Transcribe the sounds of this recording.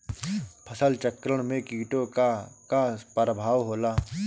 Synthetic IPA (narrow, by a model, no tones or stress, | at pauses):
pʰəsəlt͡ʃəkɾəɽ̃mẽkiːʈokakapəɾəbʱaːʋɦoːlaː